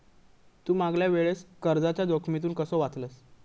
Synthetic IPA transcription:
t̪uːmaɡljaʋeɭeskəɾd͡zat͡ɕjad̪okʰmit̪̬uːnkəsɔʋat͡sləs

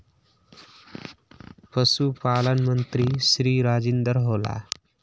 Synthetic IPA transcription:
pəsupalənmənt̪ɾisɾiːɾaːd͡zind̪əɾɦola̰

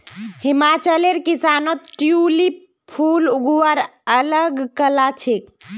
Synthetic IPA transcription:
himat͡ʃəleɾkisanot̪ʈjuli | pʰuluɡuʋaɾələɡkəlat͡ʃʰek

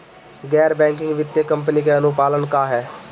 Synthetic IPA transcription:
ɡɛːɾbɛ̃ːŋkɪŋɡʋɪt̪ːeːkəmpəniːkeːənũːpaːlənkãːɦɛː

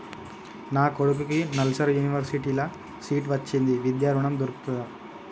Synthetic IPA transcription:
naːkoɽuk̬ukinɐlsɐɾjuːniʋɐɾsiʈiːlɐ | siːʈʋɐt͡ʃːind̪iʋid̪jaːɾuɳɐmd̪uɾuku̥t̪uɐ

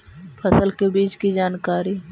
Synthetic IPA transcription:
pʰɐsəlkebiːt͡ʃkid͡ʒaːnkaːɾi

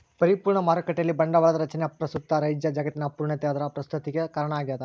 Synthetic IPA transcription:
pɐɾipuːɾɳɐmaːɾɐkɐʈːejɐlːibɐɳɖɐʋaːɭɐd̪ɐɾɐt͡ʃɐneɐpɾɐst̪ut̪ːɐɾɐjd͡ʒjɐd͡ʒaːɡɐt̪ːinɐpuːɾɳɐt̪ɛɐːd̪ɐɾɐpɾɐst̪ʰut̪iɡekɐɾɐɳɐaːɡiaːd̪ɐ

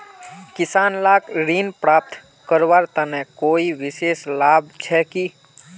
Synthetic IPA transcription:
kɪsaːnlakɾinpɾaːp̚t̪ | kəɾʋaɾt̪ənɛkoːiʋɪseslaːbʱt͡ʃʰɛki

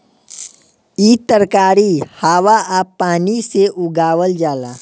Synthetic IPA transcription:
iːt̪əɾkaːɾihaːʋaʔaːpːaːniseʔʊɡaːwəld͡ʒaːla̰ː

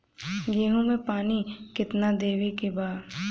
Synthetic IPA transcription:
ɡeːɦõmẽpaːnikɪt̪nad̪eːʋekebaːɾ

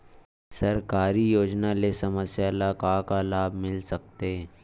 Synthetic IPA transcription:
sɐɾkaːɾijoːd͡ʒnalesɐməsjalakakalaːbʱmɪlsək̚t̪e

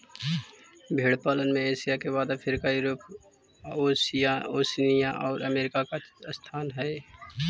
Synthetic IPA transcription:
bʱeːɽpaːlənmẽeːsijakeβaːd̪apʰɪɾkajʊɾəp | osjaoːsnijãʔɔːɾəmeːɾɪkakast̪ʰaːnɦɛː

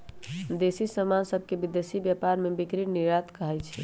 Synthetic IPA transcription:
d̪esisəmansəbʱkebid̪jesibjapaɾmebikɾiniɾat̪kəɦɛt͡ʃʰɛ

